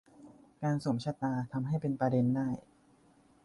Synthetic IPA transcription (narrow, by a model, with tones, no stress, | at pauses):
kaː˧nso˨˩˦mt͡ɕʰa˧t̪aː˧t̪ʰa˧mɦa˥˩jpe˧npɾaː˧de˧ndaː˥˩j